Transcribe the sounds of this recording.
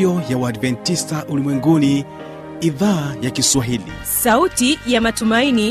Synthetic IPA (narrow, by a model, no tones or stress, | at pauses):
ɔjawadvɛntistaʔulimwɛŋɡuni | iðaːjakiswaɦilḭ | sautijamatumaini